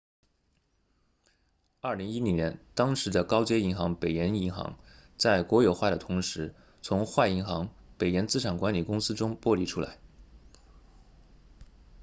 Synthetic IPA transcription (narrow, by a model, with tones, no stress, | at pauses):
ɐ˥˩li˧˥ŋi˥li˧˩njɛ˧˥nt̪ɑ˥ŋʂɻ̩˧˥d̪ə˧kɑ˥ʊt͡ɕjɛ˥i˧˥ŋxɑ˧˥ŋpe˨˩ɪjɛ˧˥ni˧˥ŋxɑ̰˧˥ŋt͡sa˥˩ɪkwɔ˧˥jo˨˩ʊxwa˥˩ɾə˩t̪ʰʊ˧˥ŋʂɻ̩˧˥ | t͡sʰʊ˧˥ŋxwa˥˩i˧˥ŋxɑ˧˥ŋpe˨˩ɪjɛ˧˥nt͡sɹ̩˥ʈ͡ʂʰa˨˩ŋkwa˧˥nli˨˩kʊ˥ŋsɹ̩˥ʈ͡ʂʊ˥ŋpwɔ˥˧li˥˩ʈ͡ʂʰu˥la̰˧˥ɪ